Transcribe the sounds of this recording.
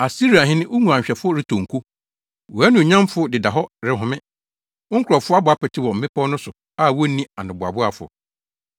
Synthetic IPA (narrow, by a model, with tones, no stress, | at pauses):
a˨si˦ɾi˨a˨ɦɪ̃˦nɪ̃˦ʔo˦mu˨ã˨ɲ˨ɕᶣɛ˨fʊ˦ɔ˦ɾɪ˦tʰo˨ŋ̩˨kʰu˦ | wɔ˨æ˦nũ˨ɲã˦m˦fʊ˦dɪ˨da˨ɦɔ˦ɾɪ˨ɦʊ̃˨mɪ̃˦ | ʊ˦ŋ̩˦kʰʊɾɔ˨fʊ˦a˦bʊ˨a˦pɛ˨tʰɪ˦wɔ˨m̩˨mɪ̃˦pʰɔ˦nʊ̃˦sʊ˨ | a˦˨wo˦nĩ˦a˨nʊ̃˨bʊ˨a̰˨bʊ˦a˨fʊ̰˨